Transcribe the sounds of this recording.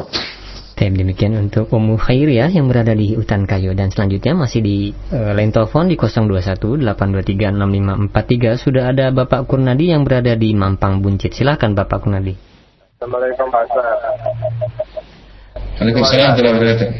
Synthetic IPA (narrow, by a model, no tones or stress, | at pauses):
t̪aip̚dəmikianunt̪ʊkumuhairjajaŋbəɾadadiut̪ankajodansəlaɲd͡ʒut̪̚ɲamasɪhdiəlaɪnt̪eləfɔndikɔsɔŋduasat̪udəlapanduat̪iɡanamlimampat̪ːiɡasudaɦːdabapaʔkurnadijaŋbəɾadadimampaŋbuɲt͡ʃɪt̪̚silahkanbapaʔkurnadi | amlakusa | alakisilat̪əlaɾat̪ɛ